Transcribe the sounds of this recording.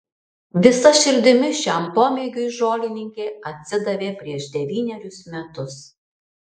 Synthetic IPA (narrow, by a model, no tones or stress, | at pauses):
ʋʲɪsɐʃʲɪɾʲd̪ʲɪmʲɪʃʲæmpoːmʲeːɡʲʊɪʒoːlʲɪnʲɪŋʲkʲeːɐt̪ʲsʲɪd̪ɐʋʲeːpʲɾʲiɛʒd̪ʲɛʋʲiːnʲɛɾʲʊsmʲɛt̪ʊs